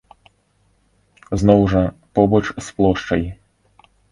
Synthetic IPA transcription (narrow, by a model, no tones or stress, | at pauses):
znɔwʐɐpɔbɔt͡ʃsplˠɔʂt͡ʃɐji